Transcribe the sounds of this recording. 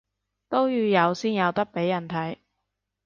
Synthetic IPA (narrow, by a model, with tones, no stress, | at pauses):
t̪o˥wjyː˧jɐ˨˧wsiː˥njɐ˨˧wt̪ɐ˥k̚pe˨˥jːɐ˨˩nt̪ʰɐ˨˥j